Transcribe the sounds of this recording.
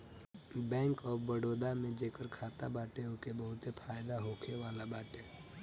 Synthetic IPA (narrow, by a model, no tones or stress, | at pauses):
bɛ̃ːŋkɔːɾbəɽoːd̪amẽd͡ʒeːkəɾkʰaːt̪abaːʈeokebəɦʊt̪epʰaːjd̪aɦoːkʰeʋaːlabaːʈe